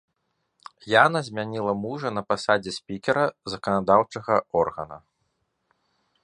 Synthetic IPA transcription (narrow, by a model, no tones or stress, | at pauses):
janɐzʲmʲanʲilˠɐmuʐɐn̪ɐpasad͡zʲɛsʲpʲikʲɛɾɐzɐkɐnad̪awt͡ʂɐɣɐɔrɣɐnɐ̰